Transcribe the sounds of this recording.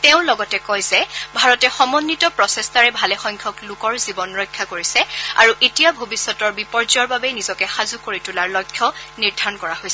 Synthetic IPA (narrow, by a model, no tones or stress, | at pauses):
teʊ̃lɔɡɔtɛkɔjzɛbʱaɹɔtɛxɔmɔnːitɔpɹɔsɛstaɹɛbʱalɛxɔŋkʰɔklʊkɔɹzibɔnɹɔjkʰːakoɹisɛa̰ɹuʔetijabʱobisːɔtɔɹbipɔɹzaɹbabɛnizɔkɛxazukoɹitulaɹlɔjkʰːɔniɹdʱaɔnkɔɹahojsɛ